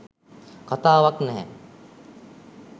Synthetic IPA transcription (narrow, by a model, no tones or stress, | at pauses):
kat̪aːʋaknɛɦɛ̰